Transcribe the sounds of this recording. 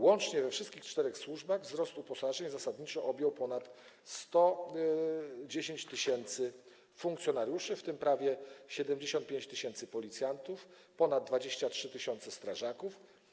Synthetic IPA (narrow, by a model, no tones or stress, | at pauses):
wɔnt͡ʂɲɛvɛfʂɘst̪̚kʲixt͡ʂt̪ɛɾɛxswuʐbaɣvzɾɔst̪upɔsaʐɛɲzasad̪ɲit͡ʂɔʔɔbʲjɔwpɔnat̪ | st̪ɔ | d͡ʑeɕeɲt͡ɕt̪ɘɕɛnt̪sɘ | fuŋkt̪sʲjɔnaɾjuʂɘft̪ɘmpɾavʲjɛɕɛd̪ɛmd͡ʑeɕɔnt̪̚pʲeɲt͡ɕt̪ɘɕɛnt̪sɘpɔlʲit̪sʲjant̪uf | pɔnad̪̚d̪ːvad͡ʑeɕt͡ɕatʂɘt̪ɘɕɔnt̪sɛst̪ɾaʐakuf